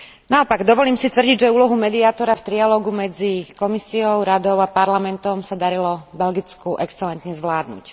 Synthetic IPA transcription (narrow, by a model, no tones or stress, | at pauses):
naɔpaɡd̪ɔʋɔliːmsit̪ʋr̩ɟiɟʒɛuːlɔɦumɛd̪iaːt̪ɔɾaft̪ɾialɔːɡumɛd͡zikɔmisiɔʊɾad̪ɔʊapaɾlamɛnt̪ɔmsad̪aɾilɔbɛlɡit͡skuʔɛkst͡sɛlɛnt̪ɲɛzʋlaːd̪nṵc